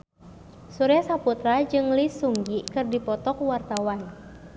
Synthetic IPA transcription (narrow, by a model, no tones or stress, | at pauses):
suɾɛsaput̪ɾad͡ʒɨŋlisuŋɡikɨrdipɔt̪ɔkwart̪awan